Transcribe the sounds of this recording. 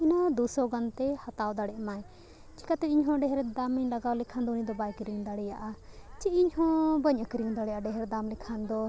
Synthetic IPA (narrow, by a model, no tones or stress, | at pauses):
inad̪usɔɡant̪ɛhat̪awd̪aɽɛʔmaj | t͡ʃi̥kat̪ɛiɲɦɔ̃ɖɛɦɾɛd̪aməɲlaɡawlɛkʰand̪ɔunid̪ɔbajkiɾiŋd̪aɽɛjaʔat͡ʃiiɲhɔ̃bəɲʔəkɾiŋd̪aɽɛjaʔaɖɛɦɾɛd̪amlɛkʰand̪ɔ